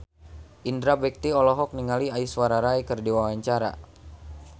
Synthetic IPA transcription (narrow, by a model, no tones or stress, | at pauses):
ʔindɾabɛk̚t̪iɔlɔɦɔk̚niŋaliaiswaɾaɾaikərdiwawaɲt͡ʃaɾa̰